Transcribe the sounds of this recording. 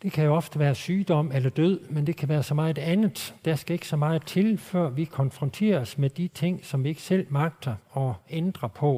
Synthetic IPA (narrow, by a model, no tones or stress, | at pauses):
d̥e̝kʰæjo̝ɒ̽fd̥əʋæːɐsyːd̥ɒ̽m̰elɐd̥øð̰ˠmend̥e̝kʰæʋæːɐsɒ̽mɑ̈ːð̩ˠedænð̩ˠd̥æsɡ̥æe̝ɡ̥ə̥sɒ̽mɑ̈ːð̩ˠt͡sʰe̝lfɶɐ̰ʋikʰɒ̽nfʁɒ̽nt͡sʰe̝̰ːɐsmed̥it͡sʰe̝ŋ̰sɒ̽mʋie̝ɡ̥ə̥sel̰mɑ̈ɡ̥̚d̥ɐɒ̽end̥ʁɐpʰɒ̽